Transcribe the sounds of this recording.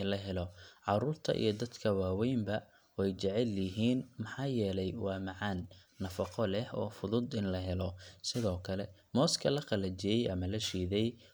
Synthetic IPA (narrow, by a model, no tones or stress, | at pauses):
ɪlɐɦɛlɔʕɑɾuːrt̪ʰɐ̰ʔḭjɞd̪ɐd̪kʰɐwaːwɛjmbɐ | wɛjt͡ʃɛʕɛljɪɦiːnmɑħɑːjɛːlɛjwɑːmɑʕɑːnː | ɐfɑqɔlɛhɔ̰ːfʊðʊd̪ɪnlɐɦɛlɔsɪðɔːkʰɐlɛmɔːskʰɐlɐqɑlɐt͡ʃɛjɛjʔɐmɐlɐʃiːðɛj